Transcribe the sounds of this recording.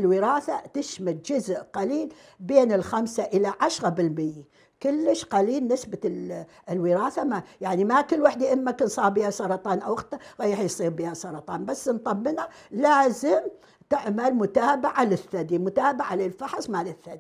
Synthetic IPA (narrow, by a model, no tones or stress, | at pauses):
ɪlwɪɾɑːθat̪ɪʃmald͡ʒʊzʔqaliːl | beːnɪlxamsaʔɪlaʕaʃɣabɪlmɪjːe | kʊlːɪʃqaliːlnɪsba | ɪlwɪɾɑːθamajaʕnimakɪlːwaħd̪iʔɪmːakɪnsˤɑːɾˤbiːhaʃɑɾˤɑt̪ˤɑːnʔawɪxt̪aɣajːaħjsˤiːɾbiːhasɑɾˤɑt̪ˤɑːnbasːnt̪ˤɑmːɪnalaːzɪm | t̪ɪʕmalmʊt̪aːbaʕalɪθːad̪imʊt̪aːbaʕalɪlfɑħsˤmaliθːad̪i